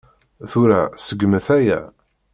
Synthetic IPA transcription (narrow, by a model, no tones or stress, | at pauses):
θuɾæsəɡːməθæjæ̰